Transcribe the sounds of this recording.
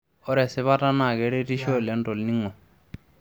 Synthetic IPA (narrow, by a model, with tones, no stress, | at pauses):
ɔ˦ɾɛ˨sɛ˦βa˦ta˦na˨kɛ˨˦ɾe˦ɾi˦ʃɔ˦˨lɛ˨˦n̩˦tɔ˨lni˦ŋɔ˨